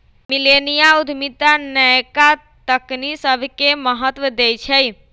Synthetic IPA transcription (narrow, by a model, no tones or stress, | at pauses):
milenijaud̪ʱmit̪anəjka | t̪əknisəbʱkeməɦət̪wəd̪ejt͡ʃʰəj